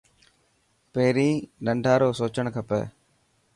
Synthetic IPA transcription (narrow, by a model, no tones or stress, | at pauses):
peːɾĩːnəɳɖʱaːɾoːsoːt͡ʃəɳkʰəpɛ̰ː